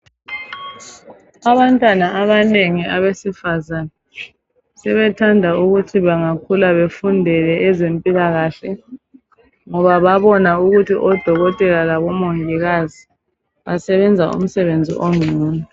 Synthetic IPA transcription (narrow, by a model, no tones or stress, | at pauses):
aβantʼwanaʔaβaneŋiaβesifazanɛ | sɛβɛtʰandʱauɣutʰiβaŋakʰulaβefundʱɛlɛɛzempʼilaɣaɬɛ | ŋɔβaβaβɔnauɣutʰiʔɔd̥ʱɔɣɔtʼɛlalaβɔmoŋiɣazi | βasɛβɛnd͡zʱaṵm̩sɛβend͡zʱḭʔoŋʱuːnu